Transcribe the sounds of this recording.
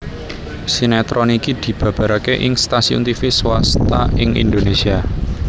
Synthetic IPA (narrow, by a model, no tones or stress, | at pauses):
sinɛt̪ɾɔnikid̪̥i̤b̥ä̤b̥a̤ɾakeʔɪŋst̪asiṵnt̪ifiswast̪a̰ɪŋḭnd̪onesia